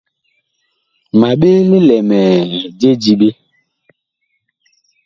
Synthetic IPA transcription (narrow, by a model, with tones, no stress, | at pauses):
ma˨ɓe˦le˦lɛ˨mɛ˨d͡ʒe˦d͡ʒi˨ɓe˦